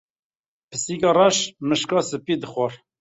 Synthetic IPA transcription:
pʰəsiːkɑːrɑʃmɨʃkɑːsɨpid̪ɨxʷɔr

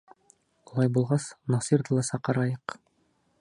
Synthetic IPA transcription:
ulˠɑjbulˠʁɑsnɑsiɾd̪ɤlˠɑsɑqɑ̆ɾɑjɤq

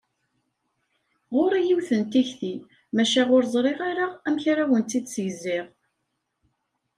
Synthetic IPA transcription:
ʁoɾijiwθənt̪içθi | mæʃæʁʊɾzˤɾˤeʁaɾaæmçaɾawənt̪ːid̪səʝzɪʁ

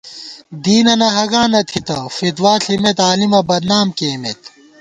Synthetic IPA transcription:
d̪iːnɐnɐɦɐɡãːnɐt̪ʰit̪ɐfit̪waːɬʰimet̪aːlimɐbɐd̪naːmkeːmet̪

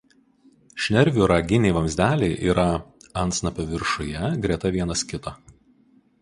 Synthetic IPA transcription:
ʃʲnʲɛɾʲʋʲuːˑɾɑɡʲɪnʲɛɪʋɐmʲzʲd̪ʲæːlʲeɪʔḭːɾʔɐɐnt̪snɐpʲɐʋʲɪɾʃʊjɛɡɾʲɛt̪ɐʋʲiɛnɐskʲɪt̪ɑː

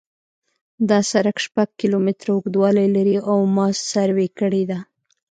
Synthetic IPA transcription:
d̪ɑsaɾakʃpaɡ̚kilomɪt̪ɾaʊɡd̪wɑlajlaɾiʔawmɑssaɾwekəɽed̪a

